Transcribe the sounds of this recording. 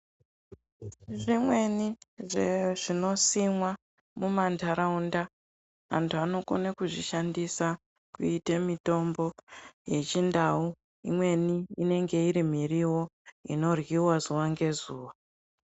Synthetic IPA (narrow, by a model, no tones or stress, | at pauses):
ʐimwe̞niʐeʐino̞simwa | mumantaɾaunda | a̰ntʰuano̞ko̰nakuʐiʃandisa | kuitemito̞mbo̞je̞t͡ʃindau | imwe̞niine̞ŋɡe̞iɾim̤iriwo̞ḭno̞rɣiwazuwaŋɡe̞zuːwa